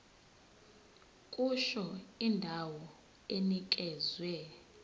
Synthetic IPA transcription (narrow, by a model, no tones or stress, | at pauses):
kʼuʃɔindʱawɔ | enik̬ʼɛːzwɛ